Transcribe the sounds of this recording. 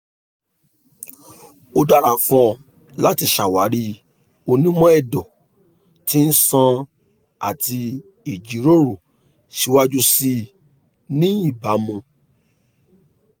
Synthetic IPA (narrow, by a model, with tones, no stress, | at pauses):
o˧da˦ɾa˨fɔ̃˧ | la˦ti˧ʃa˨wa˨˦ɾi˧˦ | o˧nĩ˦mɔ̃˦ɛ˦˨dɔ˨ | ti˦n̩˦sã˧ | a̰˨ti˧ | e˨d͡ʒi˨˦ɾo˦ɾo˨ | ʃi˧wa˦˧d͡ʒu˧si˧ | nĩ˦i˦˨ba˨˦mũ˧